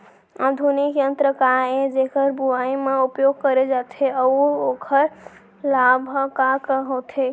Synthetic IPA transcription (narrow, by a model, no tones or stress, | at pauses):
ad̪ʱunikjənt̪ɾəkaed͡ʒekəɾbuajmeupjoɡ̚kəɾed͡ʒat̪ʰeəuokʰəɾ | labʱkakəɦot̪ʰe